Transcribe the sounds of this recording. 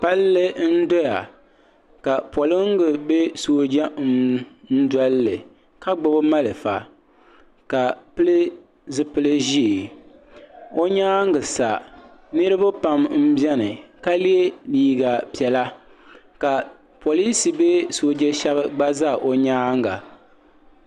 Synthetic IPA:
k͡pa˦lːɨ˦n̩˦dɔ˦ja̰˨ | ka˨po˨lɨ˦ŋ˦ɡɨ˨be˦soː˨˦˨d͡ʒa˦n̩˦n̩˦dɔ˦lːɨ˨ | ka˦ɡ͡bʊ˦bɨ˦ma˦lɨ˨fa˨ | ka˨pɨ˦lɨ˦ | zɨ˦pɨ˦lɨ˦ʒi˦˨ | o˦ɲaː˦ŋɡɨ˨sa˨ | nɨ˦ɾɨ˦ba˦pa˨mm̩˦bjɛ˦nɨ˨ka˦li˦e˦biː˦ɡa˨pi˨ɛ˨la˦ | ka˨ | po˨li˦si˨be˦soː˨d͡ʒɛ˦ʃɛ˦bɨ˦ɡ͡ba˦za˦˨ʔo˨ɲaː˦ŋɡa̰˨

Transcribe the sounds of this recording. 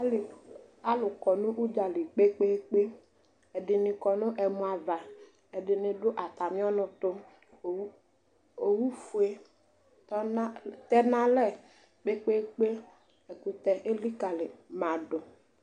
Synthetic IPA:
la˦lʊ˨kɔ˨nʊ̃˦ʔu˦d͡ʒa˨li˨k͡pe˦k͡pe˦k͡pe˦ | ɛ˨ɖɪ˨nɪ˨kɔ˨nʊ̃˦ʔɛ˨mũ˨a˨va˨ | ɛ˨ɖɪ˨nɪ̃˨ɖʊ˦ʔa˨t̪a˨mĩ˦ɔ˦nʊ̃˨t̪ʊ˦˨˦ | o˨wu˦fu˨e˦ | tɔ˦n˦t̪ɛ˦nã˦lɛ˦˨ | k͡pe˦k͡pe˦k͡pe˦ | ɛ˨ku˨t̪ɛ˨ʔe˦li˦ka˨lɪ˨mã˨ɖʊ˨

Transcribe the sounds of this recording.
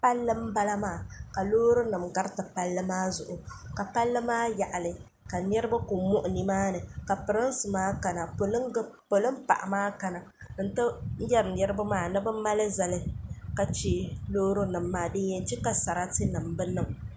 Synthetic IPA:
pa˦lːɨ˦m̩˦ba˦la˦maː˦˨ka˨loː˦ɾo˦nɨ˨mɡa˦ɾtɨ˨pa˦lːɨ˦maː˦zʊ˨ʔʊ˨ka˨pa˦lːɨ˦maː˦ja˨ʔa˨lɨ˨ | ka˨nɛ˦ɾɨ˦ba˦ku˨mʊ˦ʔʊ˨ni˨maː˦nɨ˨ka˨pɨ˨ɾɨ˦n˦sɨ˨maː˦ka˨na˨po˨lpo˨lɨ˦m˦pa̰˨ʔmaː˦ka˨na˨ | n̩˦tɨ˦n̩˦jɛ˦ɾɨ˨nɛ˦ɾɨ˦ba˦maː˦˨nɨ˦bɨ˦ma˦lɨ˦za˨lɨ˦ka˨t͡ʃi˦loː˦ɾo˦nɨ˨mːaː˦dɨ˦ɛ˦n˦t͡ʃɛ˦ka˨sa˨ɾa˦ti˦nɨ˨m˨bɨ˦nɨ˨m

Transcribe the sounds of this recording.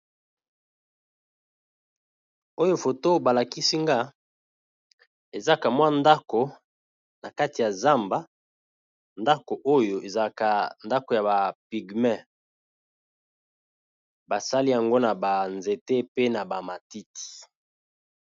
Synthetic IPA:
o˦jo˦fo˨to˦ba˨la˨ki˦si˦ŋɡa˦ | e˨za˦ka˨mwa˦nda˦ko˨ | na˨ka˦ti˨ja˨za˦mba˦ | nda˦ko˨ʔo˦jo˨ʔe˨za˦ka˨nda˦ko˨ja˨ba˨pi˨ɡmɛ˦˨ | ba˨sa˦li˦ja˨ŋɡo˦na˨ba˨nze˨te˦pe˦na˨ba˨ma˨ti˦ti̥˨

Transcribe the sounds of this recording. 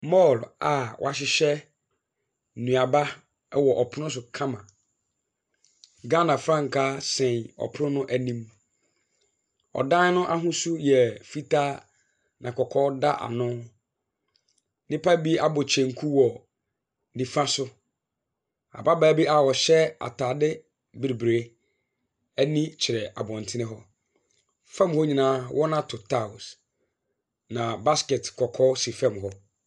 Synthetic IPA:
mɔ˦˨la˨wʔa˨ɕ̬ɪ˨ɕɛ˦˨ | nũ˨a˨ba˦ | ɛ˦wɔ˨ʔɔ˨pʰʊ˦ʊ̃˦s̬ʊ˨kʰã˦mã˨ | ɡa˦nã˨fɾã˦ŋ̩˨kʰaː˦sɛ̃˨nɔ̰˨pʰʊ˦ʊ̃˦nʊ̃˦ʔæ˨nĩ˦m | ɔ̰˨dã˦n˦nʊ̃˦ʔa˦ɦʊ̃˦su˦jɛ˨fi˦tʰa˦ | nʔã˨kɔ˨kʰɔ˦da˦ʔa̰˨nʊ̃˦ | nɪ̃˦pʰa˦bi˦a˨bɔ˨t͡ɕʰɛ̃˨ŋ˨kʰu˦wɔ˨ | nĩ˨fã˦sʊ˦ | a̰˨ba˦baː˨˦bi˦a˨wɔ˨ɕɛ˦a̰˨tʰaː˨dɪ˦ | bi˨ɾi˨bɾe˦ | æ˦nĩ˦t͡ɕʰɪ˨ɾɛ˨ʔa̰˨bɔ̃˨n˨tʰɪ˦nɪ̃˦ɦɔ˦ | fã˦mhɔ˦ɲĩ˨nãː˦wʔɔ˦nã˦tʰʊ˨tʰa˦˨ʊ˨s | nã˨ba˦ske˨tkʰɔ˨kʰɔ˦si˨fã˦˨mɦɔ˦

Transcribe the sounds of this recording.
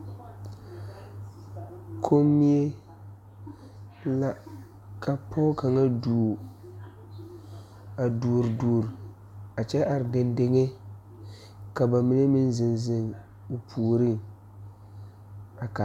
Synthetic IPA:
kʰo˦mːi˦e˦ | la˦ | kʰa˨pʰɔ˦ka˨ŋa˦duː˨ | a˨duː˨ɾduː˨ɾ | a˨t͡ʃɛ˦ʔa˨ɾɪ˨de˨nde˦ŋe˦ | ka˨ba˨mi˦ne˦mɪ˦nzɪ˨nzɪ˨ŋ | u˨pʰuː˨ɾɨ˦˨ŋ | a˨ka˨

